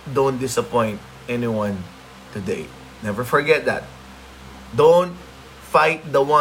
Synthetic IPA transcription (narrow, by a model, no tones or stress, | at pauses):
d̪õʊ̃nt̪̚d̪ɪsɐpɔ̃ɪ̃nt̪̚ | ɛnɪwãn | t̪ʊd̪ḛɪ | nɛvɛɹfɔɹɡɛt̪̚d̪æ̰t̪̚ | d̪õnt̪̚ | faɪt̪̚d̪ɐwã